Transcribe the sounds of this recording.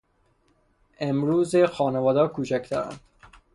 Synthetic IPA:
ʔemɾuːzexɒːnevɒːd̪ɒːkʰuːt͡ʃʰækt̪ʰæɾæ̰nd̪̥

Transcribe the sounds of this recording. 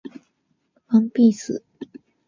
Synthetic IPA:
fəŋpisɹ̩

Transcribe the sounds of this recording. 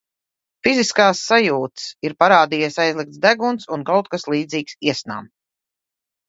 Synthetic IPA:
fiziskaːsːajuːt̪siɾpaɾaːd̪iːɛsajzlˠik̚t̪sd̪æɡunt̪sunkawt̪̚kaslˠiːd̪ziːksiɛsna̰ːm

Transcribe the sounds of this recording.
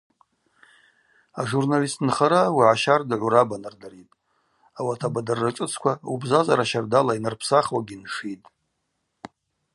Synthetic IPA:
aʐurnalistʰnχaɾawiʕaʃardɨʕʷuɾabanardaɾitʼ | awatʰabadarːaʈ͡ʂʼɨt͡sʰkʷʰaubzazaɾaʃardalainɨrpʰsaχwaɡʲinʂitʼ

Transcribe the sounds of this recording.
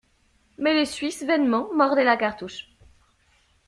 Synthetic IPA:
mɛlesɥisvɛnmɑ̃mɔʁd̪ɛlakaʁt̪uʃ

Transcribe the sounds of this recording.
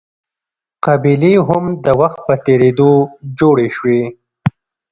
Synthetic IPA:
qabileɦʊmd̪əwaxt̪̚pət̪eɽed̪od͡ʒoɽeʃwe

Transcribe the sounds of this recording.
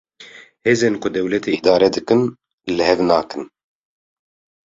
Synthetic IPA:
heːzeːnkʊd̪ɛwlɛt̪ʰeʔid̪ɑːɾɛd̪ɨkɨn | lɨhɛvnɑːkɨn

